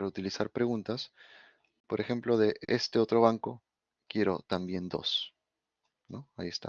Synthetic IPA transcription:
ɾaut̪ilisaɾpɾe̞ɣunt̪as | po̞ɾʔe̞xe̞mplo̞ðe̞ʔest̪e̞o̞t̪ɾo̞βaŋko̞ | kje̞ɾo̞̰t̪ambje̞nd̪o̞̰s | no̞aie̞st̪a̰

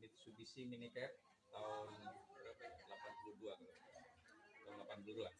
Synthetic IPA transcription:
mit̪subisiminikɛt̚ | t̪aʊnbəɾapalapanpuluduaŋ | t̪aʊnlapanpuluduaŋ

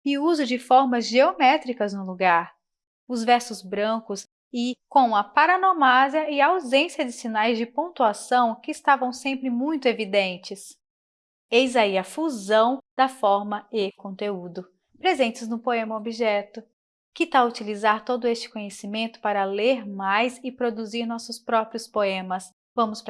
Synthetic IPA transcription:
ɪuzʊd͡ʒɪfɔɾmɐzʒeomɛt̪ɾikɐznʊluɡaɾ | ʊzvɛɾsʊzbɾɐ̃kʊs | ɪkõw̃ɐpaɾɐnomaziɐɪɐawzẽsjɐd͡ʒɪsinajzd͡ʒɪpõnt̪uasɐ̃w̃kɪːst̪avɐ̃w̃sẽmpɾɪmũj̃t̪ʊevid̪ẽnt͡ʃɪs | ejzaiɐfuzɐ̃w̃d̪ɐfɔɾmɐɪkõnt̪eud̪ʊ | pɾezẽnt͡ʃɪznʊpoẽmɐobiʒɛt̪ʊ | kɪt̪aut͡ʃilizaɾt̪od̪ʊest͡ʃɪ̥kõɲesimẽnt̪ʊ̥paɾɐleɾmajsɪpɾod̪uziɾnɔsʊspɾɔpɾiʊspoẽmɐs | vɐ̃mʊspɾ

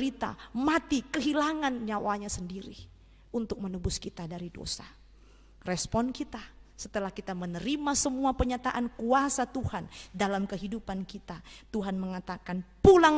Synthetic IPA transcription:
ɾit̪a̰mat̪ikəɦilaŋanɲawaɲasəndiɾḭ | unt̪ʊk̚mənəbʊskit̪adaɾido̰sa | rɛspɔnkit̪asət̪əlahkit̪amənəɾimasəmuapərɲat̪aʔankuasat̪uhandalamkəɦidupankit̪at̪uɦanməŋat̪akanpulaŋ

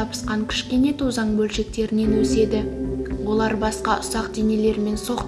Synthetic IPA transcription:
ɑpə̥sqɑŋkʲʰɪ̥ʃkʲe̞ne̞t̪ʰozɑɴbɵlʃe̞k̚t̪e̞ɾɪne̞nwɵse̞d̪ɪwo̞lˠɑɾbɑsqɑʔʊsɑqd̪enele̞ɾme̞nso̞q̪

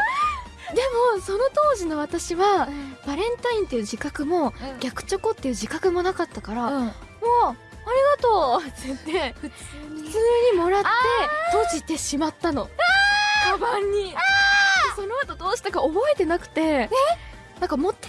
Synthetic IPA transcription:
d̪e̞mo̞so̞no̞t̪o̞ːʑino̞βat̪aɕiβab̥aɾẽ̞nt̪aĩnt̪ːe̞jiɯ̟ʑikakɯ̟mo̞ɡʲakɯ̟̥t͡ɕo̞ko̞t̪ːe̞iɯ̟ʑikakɯ̟mo̞nakat̪ːakaɾa | moː | aɾʲiɡat̪o̞ːt̪ɨɯt̪ːe̞ɸɯ̟t͡sɨːɲ̟imo̞ɾat̪ːe̞t̪o̞ʑit̪e̞ɕimat̪ːano̞ | kabaɲ̟ːi | so̞no̞at̪o̞d̪o̞ːɕi̥t̪akaobo̞e̞t̪e̞nakɯ̟̥t̪e̞ | nãŋkamo̞t̪ː

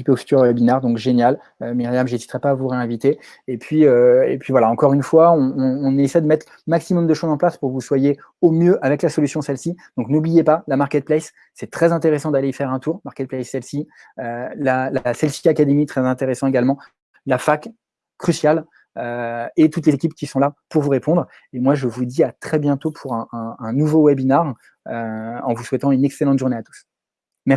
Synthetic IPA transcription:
ipɔft̪yʁɛbinaʁd̪ɔ̃kʒenjal | ømiʁjamʒezit̪ʁɛpaːvuʁeɛ̃vit̪e | epɥiøḛpɥivwalaɑ̃kɔʁynfwaɔ̃ːnesɛjd̪əmɛt̪χ | maksimɔmd̪əʃozɑ̃plaspuʁkəvuswaje | omjøʔavɛklasɔlysjɔ̃sɛlsid̪̥ɔ̃knublijepalamaʁkʲɛt̪̚plɛsː | ɛt̪χɛzɛ̃t̪eʁesɑ̃d̪aleifɛʁɛ̃t̪uʁmaʁkʲɛt̪̚plɛsːɛlsi | ølalasɛlsi̥kakad̪emit̪χɛzɛ̃t̪eʁesɑ̃eɡalmɑ̃ | lafakː | χysjal | øet̪ut̪lezekʲipkʲisɔ̃lapuʁvuʁepɔ̃d̪ʁ | emwaʒəvud̪iat̪χɛbjɛ̃t̪opʰuʁɛ̃ɛ̃ɛ̃nuvowɛbinaʁ | øɑ̃vuswɛt̪ɑ̃ynɛkselɑ̃t̪ʒuʁneat̪u̥s | mɛ

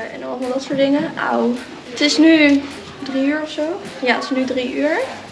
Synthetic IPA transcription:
ɛ̰nɔlmalˠdɑtsʊːɹtdɪŋəʔa̰w | ətɪsny | driyːɹɔfsowjaːtɪ̥snydriʔyːɹ

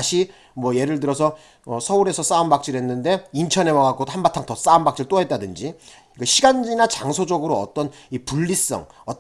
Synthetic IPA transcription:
ɕʰi | mwʌje̞ɾɯɭt̬ɯɾʌsʰʌ | ʌsʰʌuɾe̞sʰʌs͈aunbak̚t͡ɕ͈iɾɦenːɯnde̞int͡ɕʰʌne̞mʌɡak͈ohanbatʰaŋtʌs͈aunbak̚t͡ɕ͈iɭt͈oɦe̞t̚t͈adɯnd͡ʑi | kɯɕʰiɡand͡ʑinat͡ɕaŋsʰod͡ʑʌɡɯɾoʌ̰t͈ʌn | ipuʎːis͈ʌ̰ŋʌt

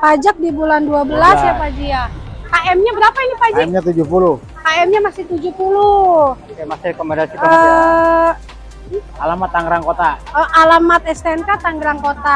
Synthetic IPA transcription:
pad͡ʒak̚dibulanduabəlasjapad͡ʒiakaʔɛmɲabəɾapainipad͡ʒkamɲat̪ud͡ʒupulʊh | kaɛmɲamasɪht̪ud͡ʒupulu | kmasɪɾekomendasipaə | alamat̪ːaŋɡɾaŋkot̪aəʔalamat̪̚ɛskaɛnkat̪aŋɡɾaŋkot̪a

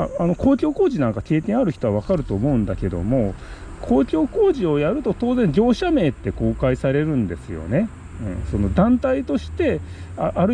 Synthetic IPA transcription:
aano̞kʰo̞ːkʲo̞ːko̞ːʑinãŋkake̞ːk̪ẽaɾɯ̟çi̥t̪o̞βaβakaɾɯ̟t̪o̞ːmo̞ɯ̟̃nd̪ake̞d̪o̞̰mo̞ | kʰo̞ːkʲo̞ːko̞ːʑio̞jaɾɯ̟t̪o̞t̪o̞ːzẽ̞ɲ̟d͡ʑo̞ːɕame̞ːt̪ːe̞ko̞ːkaisaɾe̞ɾɯ̟̃nd̪e̞sɨjo̞̰ne̞ | ɯ̟̰̃ɴso̞no̞d̪ãnt̪ait̪o̞ɕi̥t̪e̞ | aʔaɾɯ

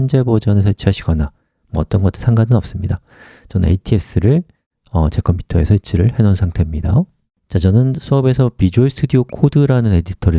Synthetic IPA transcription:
nd͡ʑe̞bod͡ʑʌne̞sʰʌit͡ɕʰiaɕʰiɡ̥ʌna | mʌʌt͈ʌnɡʌt͈ɯsʰaŋɡanɯnʌp̚s͈ɯmɲida | t͡ɕʌnɯne̞̰itʰie̞s͈ɯɾɯɭ | ʌt͡ɕe̞kʰʌmpʰu̥tʰʌe̞sʰʌit͡ɕʰiɾɯɭhe̞nonsʰaŋtʰe̞mɲida | t͡ɕat͡ɕʌnɯnsʰʌbe̞sʰʌpid͡ʑoisʰɯ̥tʰudiokʰodɯɾanɯne̞ditʰʌɾɯ

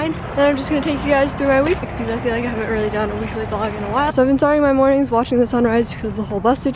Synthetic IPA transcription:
ɪ̃n | ɨ̃nãɪ̃md͡ʒʌsɡ̥ʌnɨtʰeɪkjɨɡaɪz̥θɹʉmaɪwikɪkʰɨ̥pil̩ˠaɪfilaɪkaɪhævɨ̃nʔ̚ɹɪlˠidʌ̃nəwiklibɑɡɨ̃nəwaɪlˠsoʊaɪvbɨ̃nsɑɹɪ̃ŋmaɪmɔɹnɪ̃ŋzwɑt͡ʃɪ̃ŋðɨsʌ̃nɹaɪzbɨkʰʌzzðəhoʊlˠbʌstɨd

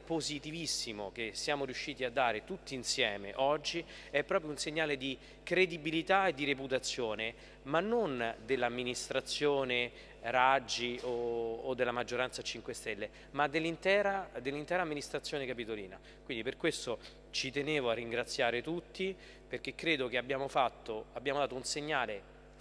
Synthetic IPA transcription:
pːozit̪ivisːimokesːjaːmoɾijuʃːiːt̪iad̪ːaːɾet̪ut̪ːiːnsjɛːmḛʔɔd͡ʒːi | ɛpːɾɔːp̬ɾjounseɲːaːled̪i | kɾed̪ibilit̪aed̪ːiɾeput̪at̪sːjoːne | manːond̪elːamːinist̪ɾat̪sːjoːne | ɾad͡ʒːioːd̪ːelːamad͡ʒːoɾansat͡ʃiŋkwest̪ɛlːe | mad̪ːelːint̪ɛːɾad̪elːint̪ɛːɾamːinist̪ɾat̪sːjoːnekapit̪olḭːna̰ | kwind̪iperkwest̪o | t͡ʃit̪eneːvoarːiŋɡɾat̪sːjaːɾet̪ut̪ːi | perk̟ekːɾeːd̪okeabjaːmofat̪ːoabjaːmod̪aːt̪ounseɲːaːle

